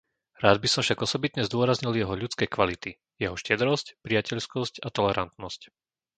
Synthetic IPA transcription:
ɾaːd̪̚bisɔmfʃaɡɔsɔbit̪ɲɛzd̪ʊɔɾazɲiljɛɦɔʎut͡skɛjkʋalit̪i | jɛɦɔʃcɛd̪ɾɔscpɾijacɛʎskɔscat̪ɔlɛɾa̰nt̪nɔsc

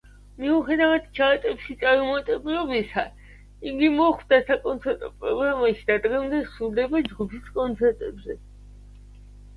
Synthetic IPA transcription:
miuχɛd̪avad̪t͡ʃʰat̪ʼɛpʃit̪sʼaɾumat̪ʼɛbilɔbisa | iɡimɔχvd̪asakʼɔnt̪sʰɛɾt̪ʼɔpʼɾɔɡɾamaʃid̪̥ad̪ɡɛmd̪ɛsuɾd̪ɛbad͡ʒɡupʰiskʼɔnt̪sʰɛɾt̪ʼɛbzɛ

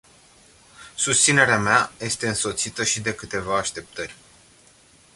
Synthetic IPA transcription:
sust̪sine̞ɾeameaje̞st̪e̞ɨnso̞t̪sit̪əʃid̪e̞kɨt̪e̞vaːʃt̪e̞p̚t̪ərʲ

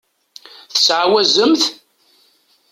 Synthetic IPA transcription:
θə̥sʕawæzəmθ

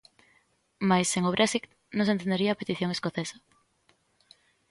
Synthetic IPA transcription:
majseŋoβɾʔɛsik | nõŋs̬ent̪end̪eɾiaːpet̪iθjõŋeskoθesḁ

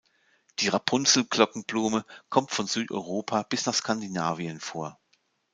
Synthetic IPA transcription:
d̥iːʁapʰʊnzl̩kl̥ɔkŋ̩bluːməkʰɔmtfɔnzyːtʔɔ̰ʏʁ̞oːpʰaːb̥ɪsnaːχskʰandinaːviənfoːɐ

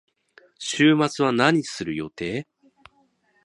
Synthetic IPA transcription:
ɕɨːmat͡sɨβanaɲ̟isɨɾɯ̟jo̞̰t̪e̞ː

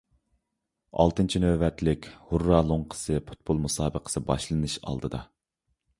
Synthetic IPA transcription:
ɑ̰lˠt̪ɨnt͡ʃʰinøvɛt̪lɪkʲhurːɑlˠoɴqʰə̥sɨpʰu̥t̪̚b̥olˠmusɑːbəqʰə̥sɨbɑ̰ʃlˠɨnɨʃɑ̰lˠd̪ɨd̪ɑ

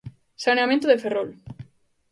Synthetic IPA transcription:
saneamẽnt̪oðeferol

